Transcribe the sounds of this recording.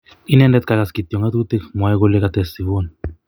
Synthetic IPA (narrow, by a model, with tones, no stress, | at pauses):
i˦nɛndɛ˦t̪̚kaka˨ski˨t̪jɔ˨ŋɡa˦t̪ku˦t̪ikmwa˨ɛko˦le˦kat̪ɛsi˨βo˦n